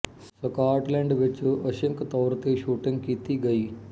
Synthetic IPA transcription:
sɐkaːɾʈlẽːɳɖʋɪt͡ʃɐʃəŋkt̪ɔːɾt̪eʃuːʈɪ̃ŋɡ̚kiːt̪iɡɐiː

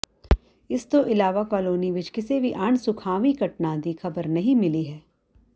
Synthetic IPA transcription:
ɪst̪oʔɪlaːʋakɔːloːniʋɪt͡ʃkɪsebʱiʔaɳ̃sʊkʰaːʋikɐʈnãːd̪ixʰɐbəɾnɐɦĩmɪliɦɛː

